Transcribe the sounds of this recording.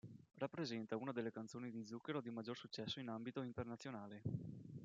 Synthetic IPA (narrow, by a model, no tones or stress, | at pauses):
rapːɾezɛnt̪aunad̪elːekant̪soːnid̪id̪zukːeɾod̪imad͡ʒːorsut͡ʃːɛsːoinambit̪oint̪ernat̪sjonaːle